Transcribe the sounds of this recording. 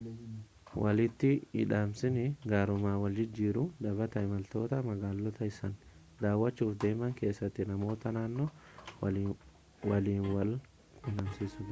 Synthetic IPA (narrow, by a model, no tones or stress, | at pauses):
wʔɐlɪt̪ːɪɪ̰ᶑaːmsɪnɪɡaːɾʊmaːwɐld͡ʒɪd͡ʒːiːɾʊd̪ɐbɐt̪ɐɪmɐlt̪o̞ːt̪ɐmɐɡaːlːɔt̪ɐɪsɐn | d̪aːwːɐt͡ʃːuːfd̪e̞ːmɐŋke̞ːsːɐt̪ːɪnɐmo̞ːt̪ɐnaːnːɔ | wɐliːnwɐl | ɪnɐmsisʊd